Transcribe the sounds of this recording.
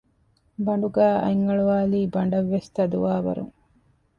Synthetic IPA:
bɐɳɖuɡæːʔɐ̰jŋːɐɭuʋaːliːbɐɳɖɐʋːest̪ɐd̪uʋaːʋɐ̰ɾṵŋ

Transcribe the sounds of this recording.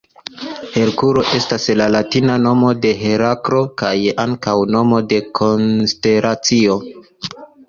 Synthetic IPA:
he̞ɾkuɾo̞ʔe̞staslalatinano̞mo̞de̞ɦe̞ɾakɾo̞kajaŋkawno̞mo̞de̞kʰo̞nste̞ɾat͡sio̞

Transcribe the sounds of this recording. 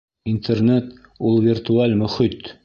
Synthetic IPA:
int̪ernet̪ | ulˠvʲirt̪ualʲmɵ̆χit̪

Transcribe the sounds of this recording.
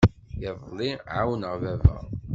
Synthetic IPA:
jəðˤlˤːiʕawnəʁvævæ̰

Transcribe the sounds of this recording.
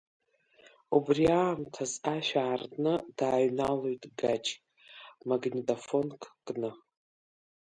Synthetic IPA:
ubriaːmtʰazaʃᶣaːrtʼnɨdaːɥnalojtʼɡat͡ʃʰʼ | maɡnʲitʼofo̞nkʰʼkʼnɨ

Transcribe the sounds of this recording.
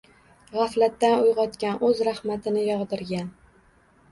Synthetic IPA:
ʁaflat̪ːanʊjʁɒt̪kʲanʔɵzɾahmat̪ʰɪnɪjɒʁd̪ɪɾɡʲan

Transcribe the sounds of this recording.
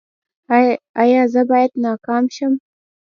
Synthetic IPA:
ɑjɑzəbɑjad̪nɑkɑmʃəm

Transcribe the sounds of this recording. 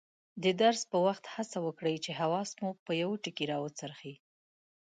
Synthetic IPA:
d̪əd̪aɾspəwaxt̪hasawəkɽəjt͡ʃeɦawɑsmupəjawʈəkiɾɑwət͡səɾxi

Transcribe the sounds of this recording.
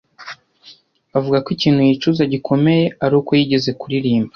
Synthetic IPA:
avuɡakwiciːnhujit͡ʃuzaɟikʰo̞me̞je̞aɾuːkojiɟe̞ze̞kuɾiɾiːmba

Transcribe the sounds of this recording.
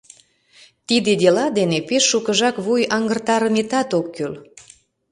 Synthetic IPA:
t̪id̪ed̪elɑd̪enepeʃːukəʒɑkβujɑŋɡərt̪ɑɾəmet̪ɑt̪okːøl

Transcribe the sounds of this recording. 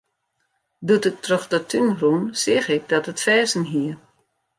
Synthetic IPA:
dutət̚ʰrøxdətʰynrunsɪxɪk̚dɔtətfɛːzənɦiər

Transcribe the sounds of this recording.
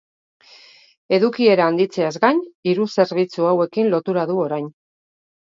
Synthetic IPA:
e̞ðukie̞ɾaːnd̪it͡se̞azɡaniɾuse̞ɾβ̞it͡suawe̞kinlo̞t̪uɾaðuo̞ɾajn

